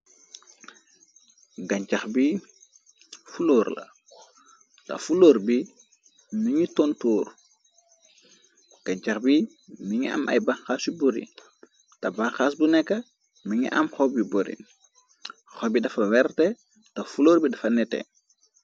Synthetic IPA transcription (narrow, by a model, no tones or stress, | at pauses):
ɡɐɲt͡ʃaxbi | fuloːɾlɐ̰ | tɐ̰fuloːɾbi | miŋitontoːɾ | ɡ̥ɐɲt͡ʃaxbi | miŋiʔɐ̰mʔɐ̰jbaŋxaːsubɔɾḭ | tɐbaŋxaːsbunɛkːɐ | miŋḭʔɐ̰mxɔbibɔɾḭ | xɔbidɐfɐwɛɾtɛ | tɐfuloːɾbidɐfɐnɛtɛ̰